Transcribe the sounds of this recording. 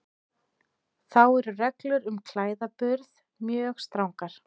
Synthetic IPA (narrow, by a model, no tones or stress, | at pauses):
θawɛɾʏrɛklʏɾʏmkʰl̥aːjðapʏɾð | mjœːxst̪ɾawŋkaɾ̥